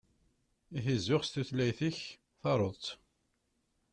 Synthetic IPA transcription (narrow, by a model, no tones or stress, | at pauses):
iɦizːʊʁst̪uθlæjθiç | θɑɾˤoðˤt̪